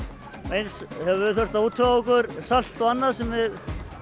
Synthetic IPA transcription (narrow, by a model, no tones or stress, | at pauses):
ejnshɛvɪθœr̥t̪auːt̪ʰːœaɔkʏɾsal̥t̪ɔvanːaðsɛmvɪð